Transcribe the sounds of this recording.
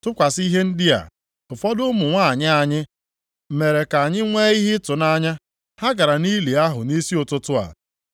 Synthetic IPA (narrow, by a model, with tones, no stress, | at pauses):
tʊ˦kʷa˨si˦ɦe˦n̩˦dɪ˦a̰˨ | ʊ˨fɔ˦dʊ˦mʊ˨ŋʷa˦˨ɲɪ˦a˨ɲɪ˦ | me˨ɾe˨ka˨ɲɪ˦ŋʷe˦i˦ɦɪ˦tʊ˨na˦ɲa˦ | ha˦ɡa˨ɾa˨ni˦li˨a˦ɦʊ˨ni˦si˦ʊ˨tʊ˦tʊ˦a̰˨